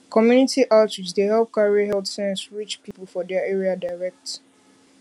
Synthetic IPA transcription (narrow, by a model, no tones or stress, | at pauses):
kʰɔmjunitʰiʔaltisdehɛlp̚kaɹiəɦɛltsɛ̃nsɹit͡ʃpipəl̩ˠfɔdɛəɛɹiadaɪɹɛk̚t